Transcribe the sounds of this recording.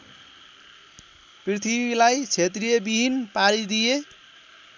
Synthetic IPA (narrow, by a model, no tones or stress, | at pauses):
prit̪ʰibilajt͡sʰet̪rijebibʱinpalid̪ije